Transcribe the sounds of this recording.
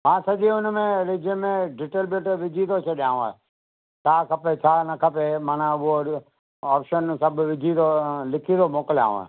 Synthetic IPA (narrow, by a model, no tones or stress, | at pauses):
mãːsɐʄiʊnmẽɾɪd͡ʒəmẽɖɪʈelbeʈʋɪd͡ʒʱid̪ot͡ʃʰɐɗjãːũa̰e | t̪ʰaːkʰɐpet͡ʃʰaːnɐkʰəpemənʊɦo | ɔːpʃənsɐbʱʋɪd͡ʒʱid̪olɪkʰid̪omoːkəlja̰ːṵ̃a̰ː